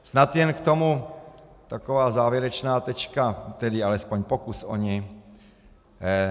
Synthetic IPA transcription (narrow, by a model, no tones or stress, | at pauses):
snat̪jɛnkt̪o̞mu | t̪akovaːzaːvjɪɾɛt͡ʃnaːt̪ɛt͡ʃkat̪ɛdɪalɛspoɲpokusʔo̰ɲɪ